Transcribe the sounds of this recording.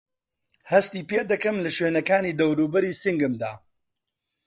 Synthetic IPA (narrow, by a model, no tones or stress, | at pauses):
hɐst̪iːpeːd̪ɐkɨmlɐʃweːnɐkaːniːd̪ɐwɾuːbɐɾiːsiŋɡɨmd̪a̰ː